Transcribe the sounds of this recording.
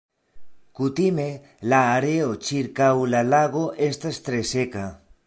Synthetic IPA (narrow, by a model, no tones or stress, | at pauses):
kut̪ime | laːɾeot͡ʃiɾkawlalaɣ̞oʔest̪aest̪ɾeseka